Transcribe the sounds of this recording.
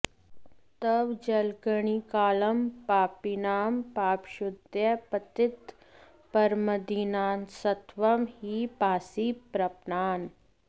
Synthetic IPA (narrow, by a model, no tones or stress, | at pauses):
t̪ɐʋd͡ʒɐlkəɳ̃ikaːlɐmpaːpinaːmpaːpʃʊd̪jɐpɐt̪ɪt̪ | pɐɾməd̪iːnaːnsɐt̪ʋɐmɦiːpaːsiːpɾɐpnaːn